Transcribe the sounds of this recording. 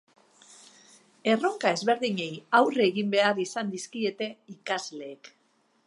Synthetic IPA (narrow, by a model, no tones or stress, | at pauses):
e̞ro̞ŋkae̞zβe̞ɾðiɲe̞jawreɣimbe̞aɾisand̪iskie̞t̪e̞ikazle̞ːk